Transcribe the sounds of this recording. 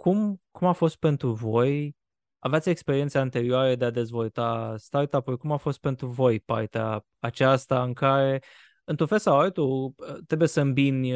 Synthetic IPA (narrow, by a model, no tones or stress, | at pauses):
kʰumkumafo̞st̪̚pe̞nt̪ɾuvo̞j | aveat̪sʲekspe̞ɾiet̪səant̪e̞ɾioaɾəd̪e̞ad̪e̞zvo̞lt̪ast̪art̪apulkumafo̞st̪̚pe̞nt̪ɾuvo̞jpa̰rt̪ea̰ | at͡ʃast̪aɨŋkaɾe̞ | ɨnt̪ɾũnfe̞lsawalt̪ut̪ɾe̞buje̞səɨmbin